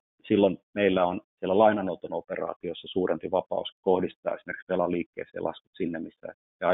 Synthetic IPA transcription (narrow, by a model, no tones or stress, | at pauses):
silːonmeilːæonsielːælɑinɑnout̪onoperɑ̰ːt̪iosːɑsuːrʔempiʋɑpɑ̰uskohdist̪ɑ̰ːesimerkikspelɑliːkːḛːseɑ̰lʔɑ̰skut̪sinːemmisːæ̰ | ɑɑ